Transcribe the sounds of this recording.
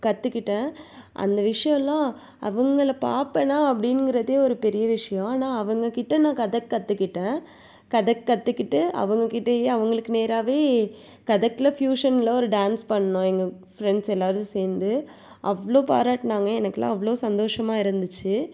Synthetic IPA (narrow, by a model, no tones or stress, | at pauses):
kɐt̪ːɯkːɪʈːẽːʔɐ̰nd̪ɐʋɪʂɐjɔ̃lãː | ɐ̰ʋɐŋɡɐɭɐpa̰ːɾpɛnãːɐpːɐɽɪnɡɪɾɐðeːɔɾɯpɛɾɪjɐʋɪʂɐjɔ̃aːnaːɐʋɐŋɡɐkɪʈːɐnãːkɐðɐkːɐt̪ːɯkːɪʈːẽː | kɐðɐkːɐt̪ːɯkːɪʈːɯɐ̰ʋɐŋɡɐkɪʈːɐjeːɐʋɐŋɡɐɭɯkːɯneːɾaːʋeː | kɐðɐkːlɐfjuːʂɐnɪlɐɔɾɯɖaːnspɐɳːɐnõːɛŋɡɐ | fɾɛɳɖsɛlːaːɾɯ̃seːɾnd̪ɯ | ʔɐʋɐɭoːpa̰ːɾaːʈnaːŋɡɐɛnɐkːɐlã̰ːɐʋːɐɭoːsɐnd̪oːʂɐmaːɪɾɯnd̪ɯt͡ʃːɯ